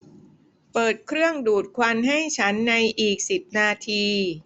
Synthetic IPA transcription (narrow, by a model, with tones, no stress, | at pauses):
pɤː˨˩t̪̚kʰɾɯ˥˩əŋduː˨˩t̪̚kʰwa˧nɦa˥˩jt͡ɕʰa˦˥nːa˧jʔiː˨˩k̚si˨˩p̚naː˧t̪ʰiː˧